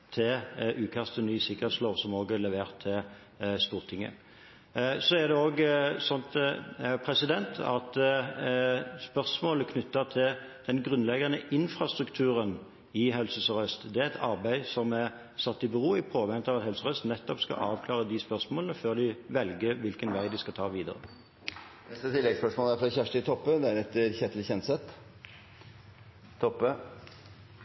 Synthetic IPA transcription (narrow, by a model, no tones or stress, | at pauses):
t̪ʰɪlʔʉːkʰɑst̪ʰənyːsɪkːəʁhɛt̪sloːʋsɔmoːɡɛlɛʋeːʁt̪ʰːɪl | st̪uːʁt̪ʰɪŋːə̰ | sɔæʁd̪ɛoːɡsɔnt̪pʰʁɛsɪd̪ɛnt̪ʰɑ̰t̪ | spœʁsmoːləkʰnʏt̪ːət̪ʰɪl | d̪̥ɛnɡʁʉnlɛɡɑnəʔɪnfɾɑst̪ʁʉkt̪ʰʉːʁən | ɪɦɛlsəsɔʁœst̪d̪ɛæɛt̪ʰɑʁbæɪsɔmæ | sɑt̪ːɪbəʁuːɪpʰoːʋɛnət̪ɑʋɑt̪hɛlsəʁœst̪nɛt̪ːɔpskɑ̰ʔɑːʋkʰlɑːʁəd̪ɪspœʁsmoːlənəføːʁd̪ɪʋɛlɡəʋɪlkənʋæɪd̪ɪskɑt̪ʰɑːʋiːd̪ə̰ʁə̰ | ɛst̪ət̪ʰɪlːɛɡspœʂmoːlæfɾɑçæʂʈɪt̪ʰɔpːəd̪æɾɛt̪ːəɾçɛt̪lçɛnsɛt̪ː | t̪ʰɔpːə